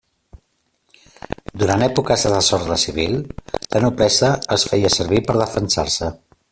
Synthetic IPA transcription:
d̪uɾanɛpukəzəðəsɔɾðəsiβ̞ilˠlənupɾɛsəəsfɛjəsəɾβipəɾðəfənsa̰rsə

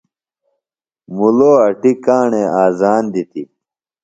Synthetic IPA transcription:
muloːɐʈikaːɳeaːzaːnd̪it̪i

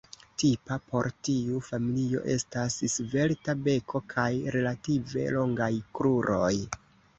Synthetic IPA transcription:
tipapo̞ɾtiufamilio̞̰ʔe̞stassve̞ltabe̞kʰo̞kʰajɾe̞lative̞̰lo̞ŋɡajkɾuɾo̞j

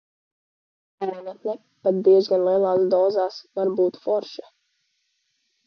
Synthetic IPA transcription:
aɾɛnat̪nɛ | pat̪̚d̪iɛzɡanlˠiɛlˠaːsd̪ɔːzaːsvaɾbuːt̪fɔɾʃɛ

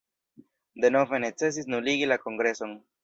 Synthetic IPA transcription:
d̪enofenet͡ses̬isnuliɣilakoŋɡɾesoŋ

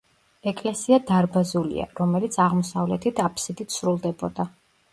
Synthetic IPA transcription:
ɛkʼlɛsiad̪aɾbazulḭa̰ɾɔmɛlit̪sʰaʁmɔsavlɛt̪ʰit̪ʰapʰsid̪it̪sɾulˠd̪ɛbɔd̪a

